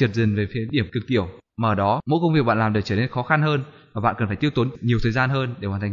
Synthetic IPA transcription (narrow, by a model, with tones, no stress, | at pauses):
t̚zɨ˨˩ŋ̟ve˨˩fi˨˦ɗi˧˩əmkɨ˨˩ək̚t̪i˧˩əwmaː˨˩ʔəː˧˩ɗɔ˨˦mo̰˧˥kə˧wŋ͡mvi˨˩ək̚ɓ̰a̰ː˧˨laː˨˩mɗɨ˨˩kt͡ɕəː˧˩ne˧nxɔ˨˦xa˧nhəː˧nmvaː˨˩ɓa̰ː˧˨nkə˨˩nfaː˧˩jt̪i˧ə˧wt̪o˨˦nɲi˨˩əwt̪ʰəː˨˩jzaː˧nɦəː˧nɗe˧˩ha˨˩nt̪ʰa˨